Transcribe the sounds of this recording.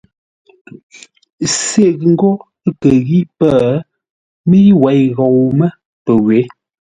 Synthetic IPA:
se˦˨ɣŋ̩˦ɡo˦ | ə˦kə˨ɣi˦ʔpə˦˨ | mi˦wɛ˨˦jɣɔ˨wmə˦ | pə˨ɣwe˨˦

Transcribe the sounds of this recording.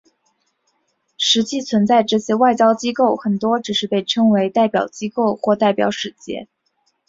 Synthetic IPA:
ʂɻ̩˧˥t͡ɕi˥˩t͡sʰwə˧˥nt͡sa˥˧ɪʈ͡ʂɤ˥˩ɕjɛ˥˧wa˥˩ɪt͡ɕjɑ˥ʊt͡ɕi˥ko˥˩ʊxə˨˩nt̪wɔ˥ʈ͡ʂɻ̩˨˩ʂɻ̩˥˧pe˥˩ɪʈ͡ʂʰɤ˥ŋwe˧˥ɪt̪a˥˩ɪpjɑ̰˨˩ʊt͡ɕi˥ko˥˩˧ʊxwɔ˥˧t̪a˥˩ɪpjɑ̰˧˥ʊʂɻ̩˨˧˩t͡ɕjɛ̰˥˧

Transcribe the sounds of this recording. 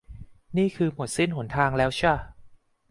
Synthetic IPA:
niː˥˩kʰɯː˧mu˨˩t̪̚si˥˩nhu˩˦nt̪ʰaː˧ŋlɛː˦˥wt͡ɕʰɯ˥˩ɐ˨

